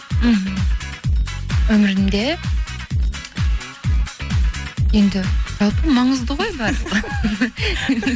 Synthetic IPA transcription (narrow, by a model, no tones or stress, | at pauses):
m̩ɦ̩ | wɵmɪɾɪnd̪e | je̞nd̪ɪʒ̥ɑlˠpəmɑɴəzd̪əʁo̞jbæɾd̪ʁə